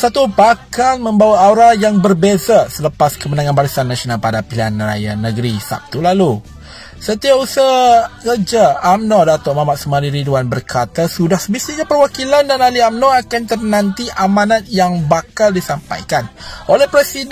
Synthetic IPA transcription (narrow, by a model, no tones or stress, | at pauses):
sat̪ubakanmə̃mbawaːɾajaŋbərbezasələpaskəmənãŋãnbaɾisanːasionalpadapilianra̰ja̰nəɡəɾisa̰p̚t̪ulalu | sət̪iapusaŋəd͡ʒaːmnɔdat̪oʔmamaʔ̪sumaɾiɾiduanbərkʰat̪asudahsəbist̪iɲapərwakilandanaliamnɔakant̪ərnãnt̪iʔamãnat̪̚jaŋbakaldisampa̰jkanolɛhpɾɛsi